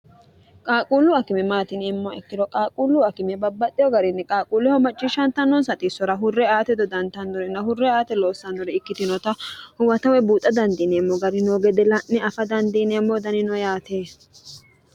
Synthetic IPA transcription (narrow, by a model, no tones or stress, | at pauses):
kʼaːkʼuːlːʊɐkɪmɛmaːt̪ɪnɪmːɔɛkːɪd̪ɔkʼaːkʼuːlːʊɐkɪmɛbɐbːɐt̪ʼːɪjɔɡɐɾɪnːɛkʼaːkʼuːlːɛhɔmɐt͡ʃʼːɪʃɐnt̪ːɐnːɔnsɐt̪ʼɪsːɔɾɐɦʊrːɛaːt̪ɛd̪ɔd̪ɐnt̪ɐnːɔɾɛnːɐhʊrːɛaːt̪ɛlo̞ːsːɐndɔɾɛɪkːɪt̪ɪnɔt̪ɐhʊwɐt̪ɐwɛbuːt̪ʼːɐd̪ɐnd̪inɛːmːɔɡɐɾɪnoɡɛd̪ɛlɐʔɪɐfɐd̪ɐnd̪inɛmːɔd̪ɐnɪnɔjaːt̪eː